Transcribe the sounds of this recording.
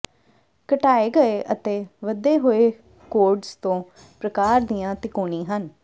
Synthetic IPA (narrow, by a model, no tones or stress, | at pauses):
kəʈaːeːɡəeːʔət̪eːʋəd̪eːɦoːeː | koːɾɖst̪õː | pɾəkaːɾd̪ijãːt̪ɪkoːɳĩːɦən